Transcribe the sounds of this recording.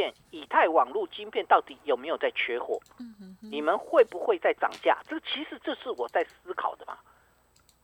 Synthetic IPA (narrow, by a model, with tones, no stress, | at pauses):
ɛ˥˩ni˨˩t̪ʰa˥˩ɪwɑ˨˩ŋlu˥˨t͡ɕi˥ŋnpʰjɛ˥˧nt̪ɑ˥˩ʊt̪i˨˩jo˨˩me˧˥ɪjo˨˩ʊt͡sa˥˩ɪt͡ɕʰɥɛ˧˥xwɔ̰˨˩˦ni˨˩mə˦nxwe˥˩ɪpu˧˦xwe˥˧ɪt͡sa˥˩ɪʈ͡ʂɑ̰˨˩ŋt͡ɕja̰˥˩ʈ͡ʂɤ˥˩ɡt͡ɕʰi˧˥ʂɻ̩˨˩ʈ͡ʂɤ˥˧ʂɻ̩˥˩wɔ˨˩t͡sa˥˩ɪsɹ̩˥kʰɑ̰˨˩ʊd̪ə˦mɐ̰˨˩